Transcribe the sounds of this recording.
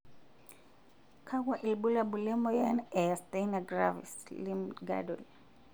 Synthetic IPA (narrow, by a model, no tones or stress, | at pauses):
kʰaɡwaʔilbulabulɛmɔjanɛastejnaɡra̰vḭslimɡa̰dol